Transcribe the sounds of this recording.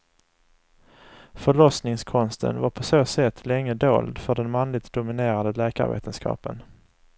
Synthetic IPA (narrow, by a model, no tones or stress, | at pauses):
fœɭɔsnɪŋskʰɔnst̪ʰə̰nvaɾpʰɔsoːsɛt̪ʰːlɛŋːəd̪o̰ːld̪fœɖɛnmanlɪɡ̚t̪̚d̪ʊmɪneːɾad̪əlɛːka̰ɾvḛːt̪ʰənskʰɑ̰ːpən